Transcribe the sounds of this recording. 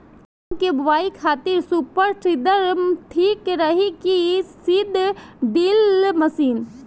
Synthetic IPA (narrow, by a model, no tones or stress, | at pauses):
mkebʋaːikʰaːt̪ɪɾsupəɾʈʰɾid̪əɾmʈʰiːkɾəɦikisɪd̪ʱɖ̪ilmɐsiːn